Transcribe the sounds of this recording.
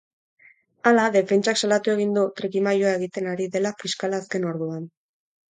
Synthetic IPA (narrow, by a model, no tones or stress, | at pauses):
alaðe̞fe̞nt͡ʃaksalat̪ue̞ɣ̞ind̪ut̪ɾikimajoae̞ɣ̞it̪e̞naɾiðe̞lafiskalaːske̞no̞ɾðuan